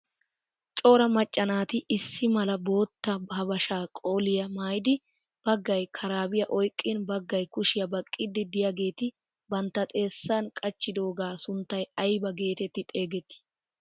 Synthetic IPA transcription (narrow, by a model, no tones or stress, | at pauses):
t͡ʃʼo̞ːɾɐmɐt͡ʃʼːɐnaːt̪ɪʔɪsːɪmɐlɐbo̞ːt̪ːɐhɐbɐʃaːkʼo̞ːlɪjɐmaːjd̪ɪ | b̥ɐɡːɐjkʰɐɾaːbɪjɐʔɔjkʼːɪnbɐɡːɐjkʊʃɪjɐbɐkʼːɪd̪ɪd̪ɪjɐɡe̞ːt̪ɪ | bɐnt̪ːɐt̪ʼe̞ːsːaːnkʼɐt͡ʃːɪd̪o̞ːɡaːsʊnt̪ːɐjɐjbɐɡe̞ːt̪ɛt̪ːɪt̪ʼeːɡɛt̪ːɪ̥